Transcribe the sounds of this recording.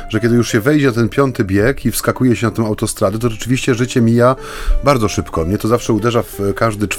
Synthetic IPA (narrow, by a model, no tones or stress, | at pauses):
ʐɛkʲjɛd̪ɘjuʂɕɛvɛjd͡ʑɛnat̪ɛnpʲjɔnt̪ɘbʲjɛkʰifskakujɛɕɛnat̪ɛ̃w̃awt̪ɔst̪ɾad̪ɛt̪̬ɔʐɛt͡ʂɘvʲiɕt͡ɕɛʐɘt͡ɕɛmʲija | baɾd̪zɔʂɘpkɔmɲɛt̪ɔzafʂɛud̪ɛʐafkaʐd̪ɘt͡ʂ